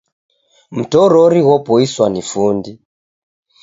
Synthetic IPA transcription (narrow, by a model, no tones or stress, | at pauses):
m̩tɔɾɔɾiɣɔpɔiswanifundi